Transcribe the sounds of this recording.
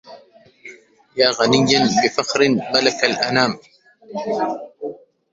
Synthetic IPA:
jaːɣanɪjːanbɪfɑxɾɪnmalakalʔanaːm

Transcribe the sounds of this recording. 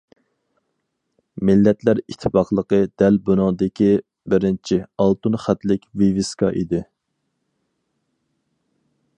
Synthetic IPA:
mɪlːɛt̪læɾit̪ʰːɪ̥pɑqlˠəqəd̪̥ɛlbunʊŋd̪ɪkʲi | bɪɾɪnt͡ʃʰiɑlˠt̪unχæt̪lɪkʲvivɪskɑʔid̪ɪ

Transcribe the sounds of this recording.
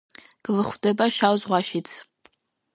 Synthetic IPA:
ɡ̥ɨvɨχʷdɐbɐʃʷawzʁʷɑːʃit͡sʰ

